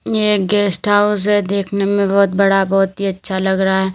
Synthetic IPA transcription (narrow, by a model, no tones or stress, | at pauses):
jeːɡɛːsʈɦaʊs̬ɦɛd̪eːkʰnemẽbɔːʊt̪bɐɽabɔːt̪ɦiɐtːʃʰalɐɡɾɐɦaɦɛː